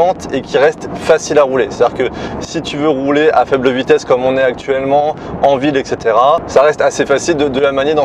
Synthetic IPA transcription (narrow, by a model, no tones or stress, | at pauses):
ɑ̃t̪ekʲiʁɛst̪fasilaʁuleset̪d̪iʁkəsit̪yvøʁuleʔafɛbləvit̪ɛskɔmɔ̃nɛak̚t̪ʰɥɛlmɑ̃ | ɑ̃vilɛkset̪eʁasaʁɛst̪asefasild̪əd̪əlamaned̪ɑ̃